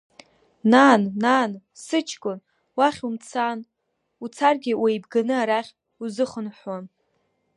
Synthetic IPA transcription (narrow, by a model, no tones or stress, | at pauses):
naːnːaːn | sɨt͡ʃʰkʼʊn | waχʲumt͡sʰan | ut͡sʰarɡʲɪwʔejbɡanɨaɾaχʲ | uzɨχənħwan